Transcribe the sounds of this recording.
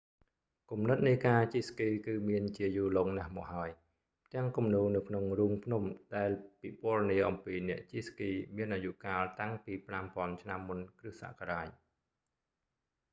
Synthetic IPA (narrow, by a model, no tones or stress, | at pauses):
kumnɨt̪̚nɨjkaːt͡ɕiskiːkɨːmiənt͡ɕiəjuːloːŋnahmɔ̰ːk̚haəj | t̪ɛ̆əŋkumnuːnɨwkʰnoŋruːmpʰnumɗaɛlpipŏərniəʔɑmpiːnɛ̆əʔt͡ɕiskiːmiənʔaːjuʔkaːlt̪aŋpiːprampŏənt͡ɕʰnamːunkrɨhsa̰ʔkaɾaːc̚